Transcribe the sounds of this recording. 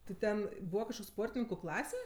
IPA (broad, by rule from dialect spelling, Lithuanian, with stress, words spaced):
tʲɪ ˈtʲɛn ˈbuːʋɐ kɐʃˈkoːkʲ ˈspoːrʲtʲɪnʲɪŋkʊ ˈklˠɑːsʲɛ